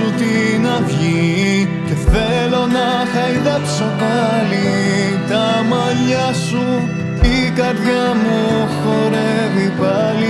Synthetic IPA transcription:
ut̪i | nɐvʝi | ceθelo̞nɐ | xɐiðɐkso̞kɐli | t̪ɐmɐʎɐsu | ikɐɾðʝɐmuxo̞ɾe | vipɐli

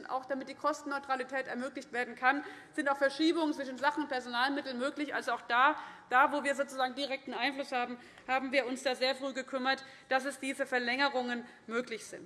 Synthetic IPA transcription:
ntʔa̰ʊxd̥amɪt̚d̥iːkʰɔstn̩ːɔʏtʁ̥alitʰɛːtɛɐmøːklɪçtv̥eːɐdn̩kʰanz̥ɪntaʊfɛɐʃiːbʊŋət͡sv̥ɪʃn̩zaχn̩ʊnt̚pʰɛɐzonaːlmɪtl̩nmøːklɪçʔa̰lzoaʊxd̥aːd̥aːvoːviːɐzoːt͡suzaːɡŋ̩diʁɛk̚tn̩ʔaɪnflʊshaːbm̩ | haːbm̩viːɐʊnsd̥aːzeːɐfʁ̥yːɡəkʰʏmɐt | d̥asɛsd̥iːzəfɛɐlɛŋəʁʊŋən | møːklɪçz̥ɪnt

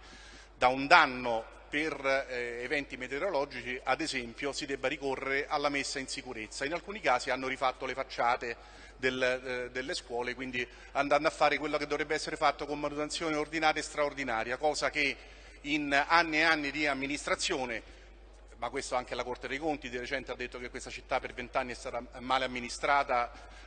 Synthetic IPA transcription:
d̪aund̪anːo | perevɛnt̪imet̪eoɾolɔːd͡ʒit͡ʃiʔad̪ezɛmpjosid̪ɛbːaɾikorːeɾeʔalːamesːainsikuɾet̪sːainalkuːnikaːsianːoɾifat̪ːolefat͡ʃːaːt̪e | d̪eld̪elːeskwɔːlekwind̪i | and̪and̪oafːaːɾekwelːoked̪ovɾɛbːeɛsːeɾefat̪ːokomːanut̪ent̪sjoːneord̪inaːɾjest̪ɾaord̪inaːɾjakɔːzak̟e | inanːieanːid̪iamːinist̪ɾat̪sːjoːne | makːwest̪oaŋk̟elakort̪ed̪ejkont̪id̪iɾet͡ʃɛnt̪ead̪ːet̪ːokekwest̪at͡ʃit̪ːapːervent̪anːiɛst̪aːt̪amaːleamːinist̪ɾaːt̪a

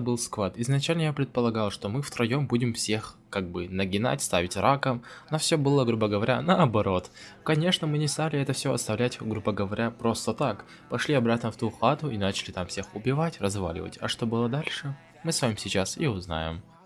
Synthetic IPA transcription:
bɨlˠskvat̪ɪznɐt͡ɕælʲnəjapɾʲɪt̪̚pəlˠɐɡalˠʂt̪omɨft̪ɾɐjo̞mbudʲɪmfsʲe̞x | kaɡ̚bɨnəɡʲɪna̰tʲst̪avʲɪtʲrʔakəmnɐfsʲɵbɨlˠəɡɾubəɡəvɐɾʲa̰nəɐbɐɾo̞t̪kɐnʲe̞ʂnəmɨnʲɪst̪alʲɪɛt̪əfsʲoɐst̪ɐvlʲætʲɡɾubəɡəvɐɾʲapɾo̞st̪ət̪ak | pɐʂlʲiɐbɾat̪nəft̪uxat̪ʊɪnat͡ɕɪlʲɪt̪amfsʲe̞xʊbʲɪvatʲrɐzva̰lʲɪ̰və̰tʲɐʂt̪o̞bɨlˠəd̪alʲʂɨ | mɨsvamʲɪmsʲɪt͡ɕasiʊzna̰jɪ̰m

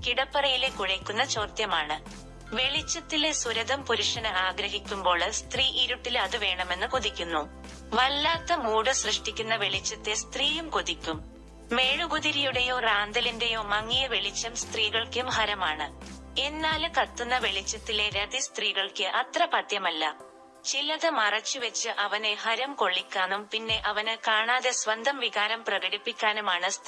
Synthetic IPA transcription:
kiɽɐpːɐrɐjile̞kuɻɐkʲːunːɐt͡ɕo̞ːrt̪jɐmaːɳɨ | ʋe̞ɭit͡ɕːɐt̪ːilesuɾɐðɐmpuɾuʂɐnɐaːɡɾɐɦikʲːumbo̞ːɭst̪riːʔiɾuʈːilɐðɨʋe̞ːɳɐme̞nːɨkuðikʲːunːu | ʋɐlːaːt̪ːɐmuːɽɨsrɨʂʈikʲːunːɐʋe̞ɭit͡ɕːɐt̪ːe̞st̪riːjumkuðikʲːumː | e̞ːɻuɡuðiɾijuɽejo̞ːraːnd̪ɐlinde̞jo̞ːmɐŋːijɐʋe̞ɭit͡ɕːɐmst̪riːɣɐɭkumhɐɾɐmaːɳɨ | e̞nːaːlkɐt̪ːunːɐʋe̞ɭit͡ɕːɐt̪ːile̞ɾɐðist̪riːɣɐɭkɨʔɐt̪rɐpɐt̪jɐmɐlːɐ | t͡ɕilɐðemɐrɐt͡ɕːɨʋɐt͡ɕːɨʔɐʋɐnehɐɾɐmko̞ɭːikʲːaːnumpinːe̞ʔɐʋɐnɨkaːɳaːðe̞sʋɐnd̪ʱɐmʋiɣaːɾɐmprɐɣɐɽipːikʲːaːnumaːɳɨst̪

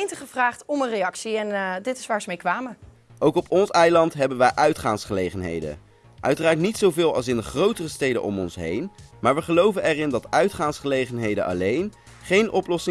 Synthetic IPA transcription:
jntəχəvraːχtɔmənrejɑksiɛndɪtɪsʋaːɹzəmejkʋaːmə | ʔowkɔpʰɔnsɛjlɑntɦɛbənʋɛjʔœɥtχaːnsχəlejχənɦḛjdə̰ | ʔœ̰ɥtəraːɹtnitsowvɪːlˠɑ̰lˠsɪndəχrowtərəstejdə̰ʔɔ̰mɔnsɦḛjn | maːɹʋəχəlowvənɛrɪndɑtœɥtχaːnsχəlejχənɦejdə̰nʔɑ̰lejn | χejnʔɔplɔsɪ

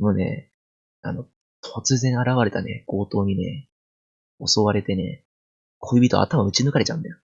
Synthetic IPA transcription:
moːne̞̰ | a̰no̞ | t̪ʰo̞t͡sɨzẽ̞ɰ̃aɾaβaɾe̞t̪ane̞̰ɡ̥o̞ːt̪o̞ːɲ̟ine̞̰ | o̞so̞βaɾe̞t̪e̞ne̞̰ | kʰoibʲit̪o̞̰a̰t̪amaɯ̟t͡ɕinɯkaɾe̞t͡ɕã̰nd̪ajo

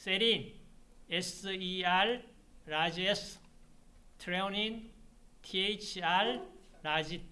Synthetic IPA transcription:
seɾinesial | ɾad͡ʒes | t̪ʰɾewnin | tʰiet͡ʃʰalɾad͡ʒi

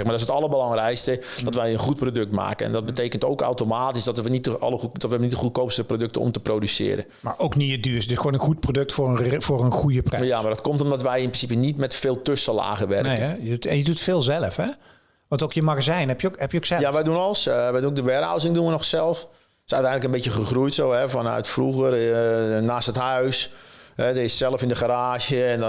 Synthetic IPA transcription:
ɛxmaːdɔɪsətɑlˠəbəlɑŋrɛjkstə | dɔtʋɛjənχut̚prodøk̚tma̰ːkəɛ̰ndɔt̚bəteːkəntoːka̰wtomaːtisdɔtʋənitəɔləudɔtʋəɛənitdəxut̚koːpsəəprodøk̚təɔ̰mtəproːdysɪ̰ːəɾə̰nmaɹowkniədyːsdɪsxʋoːnənxut̚prodøk̚tfʊːəfʊːrənxujəprjamardɔtkomtɔmdɔtʋɛjɪnprɪsipənitmɛtfɪːlˠtøsəla̰ːɣəʋɛ̰rkəjəutɛnjədutfɪːlˠzɛləfhɛ | ʋɑ̃ntokjəmaɣəszɛjnɦɛpjəkɦɛpjəoksɛjaʋɛjdunɔlˠəsʋɛjdunok̚dəʋɛɾa̰wzɪŋduənɔxsɛlˠəf | sœ̰ɥtɛjndləkənbetjəxəxrujtsoːɛfɔnœ̰ɥtfruɣərnaːstəthœɥsɛdəɪssɛlˠəfɪndəxaɾaːʒəɛn

